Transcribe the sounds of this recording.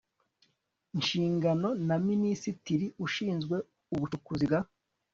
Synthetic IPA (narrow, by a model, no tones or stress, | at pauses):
nʃiːŋɡano̞naminisitiɾiuʃiːnzɡwe̞ | uβut͡ʃukuziɡa